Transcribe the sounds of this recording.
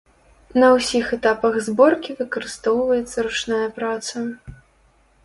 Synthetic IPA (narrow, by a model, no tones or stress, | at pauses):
nɐwsʲixɛt̪apɐɣzbɔrkʲivɨkɐɾɨst̪ɔwvɐjɛt̪sːɐɾut͡ʂnajɐpɾat̪sɐ